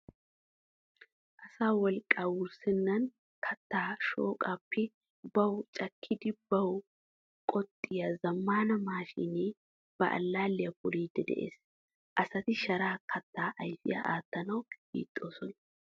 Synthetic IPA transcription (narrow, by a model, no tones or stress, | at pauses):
ʔɐsaːwɔlkʼːaːwʊɾsɪnːɐn | kʰɐt̪ːaːʃo̰ːkʼaːpːɛ | bɐwt͡ʃʼɐkʰːɪd̪ɪbɐw | kʼɔt̪ʼːɪjɐzɐmːaːnɐmaːʃḭːneː | b̥ɐʔɐ̰lːaːlːɪjɐpʊɾiːd̪ːɛd̪ɛ̰ʔḛːs | ʔɐsɐt̪ɪʃɐɾaːkʰɐt̪ːaːʔɐjfɪ̰jɐ̰ʔaːt̪ːɐnɐwbḭːt̪ʼːoːsɔnɐ